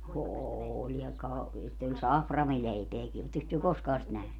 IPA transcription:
oːlʲ jɑ kɑ sitː olʲ sɑfrɑmileipeæki otːeks tyø koskɑː sit næhny

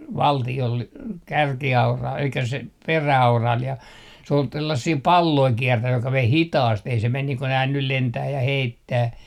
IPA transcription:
ʋɑltiol kærkiɑurɑ elikːæ se peræɑurɑl jɑ s oːl tælːæsːiː pɑlːoi kiɛrtæj jokɑ ʋei hitɑːst ei se men niː ko næː nyl lentæː jɑ heitːæː

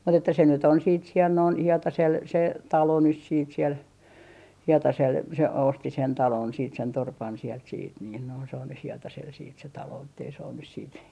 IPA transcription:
mut etːæ se nyt on siːt siɛl noin hietɑsel se tɑlo nys siːt siel hietɑsel se osti sen tɑlon siːt sen torpɑn siɛlt siːt niːn noin se on nyh hietɑsel siːt se tɑloː etːei se on nys siːt

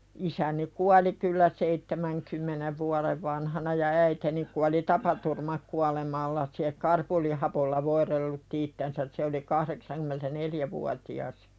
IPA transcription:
isæni kuɑli kylːæ seitːemæŋkymːeneʋ ʋuɑleʋ ʋɑnhɑnɑ jɑ æiteni kuɑli tɑpɑturmɑkuɑlemɑlːɑ se kɑrpolihɑpolːɑ ʋoiɾelːutːi itːensæs se oli kɑhɾeksɑnkymentæneljæʋuɑtiɑs

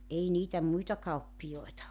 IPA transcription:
ʔei niːtæ muitɑ kɑupːijoetɑ

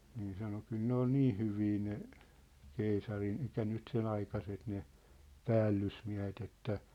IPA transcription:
niː sɑno kyl ne ol niː hyʋiː ne keisɑrin elikˑæ nyt sen ɑikɑset ne pæːlːysmiæ̝het etːæ

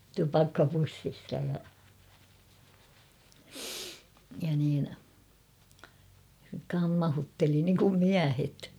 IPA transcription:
tupɑkːɑpusːistɑ jɑ jɑ niːn kɑmːɑhutːeli niŋkum miæhet

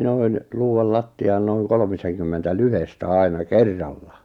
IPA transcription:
noin luːɑl lɑtːiɑːn noiŋ kolmiseŋkymːentæ lyhestæ ɑˑinɑ kerːɑlːɑ

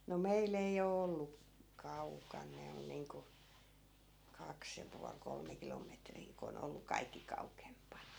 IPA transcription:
no meil ei o olːu kɑukɑn ne on niːŋku kɑks jɑ puɑl kolme kilometriː ko on olːu kɑikːi kɑukempɑnɑ

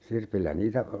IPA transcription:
sirpilːæ niːtæ

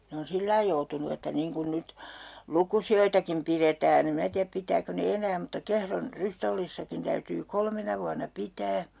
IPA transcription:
ne on silːɑi joutunu etːæ niːŋ kun nyt lukusioitɑkim piretæːn em minæ tiæp pitˑæːko ne enæː mutːɑ kehron rystolːisːɑkin tæytyː kolmenɑ ʋuɑnːɑ pitæː

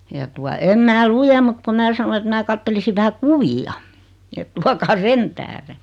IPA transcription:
jɑ tuɑ em mæː lujem mut ku mæː sɑno et mæː kɑtːelisi ʋæhæ kuʋiɑ et tuɑkɑː sen tæhre

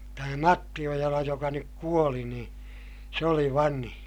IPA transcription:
tæmæ mɑtːi ojɑlɑ jokɑ nyk kuoli niː se oli ʋɑnhĩː

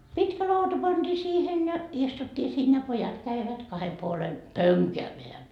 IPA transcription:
pitkæ lɑutɑ pɑntiː siːhen jɑ istutːiː siːn jɑ pojɑt kæiʋæt kɑhe puole pøŋkæːmeæ

